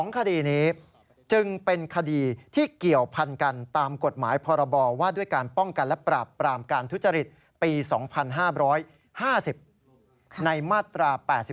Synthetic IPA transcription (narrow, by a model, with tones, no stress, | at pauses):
sɔː˩˦ŋkʰa˧diː˧niː˦˥ | t͡ɕɯ˧ŋpe˧nkʰa˧diː˧t̪ʰiː˥˩ki˨˩əwpʰa˧nka˧nt̪aː˧mko˨˩t̪̚maː˩˦jpʰɔː˧ɾa˧bɔː˧waː˥˩du˥˩əjkaː˧npɔ˥˩ŋka˧nlɛ˦˥pɾaː˨˩pːɾaː˧mkaː˧nt̪ʰu˦˥t̪̚t͡ɕa˧ɾi˨˩t̪̚ | piː˧sɔː˩˦ŋpʰa˧nɦaː˥˩ɾɔː˦˥j | haː˥˩si˨˩p̚ | na˧jmaː˥˩t̪ɾaː˧pɛː˨˩t̪̚si˨˩